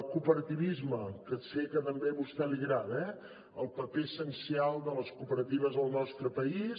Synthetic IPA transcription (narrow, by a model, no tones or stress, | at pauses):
kupəɾət̪iβizməkəsekət̪əmbeβust̪ɛliɣɾat̪ɛ | əlˠpəpesənsialˠd̪ələskupəɾət̪iβ̞əzəlˠnɔst̪ɾəpəis